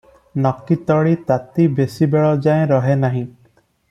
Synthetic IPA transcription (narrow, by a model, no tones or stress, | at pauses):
nɔkːit̪ɔɭit̪at̪ibesibeɭɔd͡ʒaẽɾɔɦenaɦĩ